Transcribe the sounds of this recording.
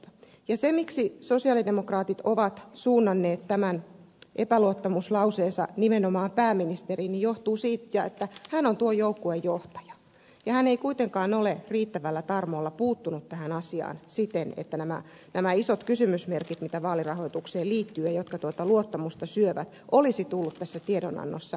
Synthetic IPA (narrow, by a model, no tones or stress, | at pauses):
jɑsemiksisosiɑlidemokrɑːt̪it̪oʋɑt̪suːnːɑnːeːt̪tæmæn | ʔepæluot̪ːɑmuslɑuseːnsɑ̰nimenomɑːmpæːmːinist̪eriːnijjoht̪uːsiːt̪jɑet̪ːæhænont̪uojoukːoejjoht̪ɑ̥jɑ̥ | jɑhæneikuit̪eŋkɑːnoleriːt̪ːæʋælːæt̪ɑrmoːlːɑpuːt̪ːunut̪tæhænɑsiɑ̰ːnsit̪enḛt̪ːænæmæ̰ | næmæisot̪kysymysmerkit̪mit̪æʋɑːlirɑhoit̪ukseːliːt̪ːyːjɑjot̪kɑt̪uot̪ɑluot̪ːɑmust̪ɑsyøʋæt̪ʔolisit̪ulːut̪t̪æsːæt̪iedonɑ̰nːo̰sːɑ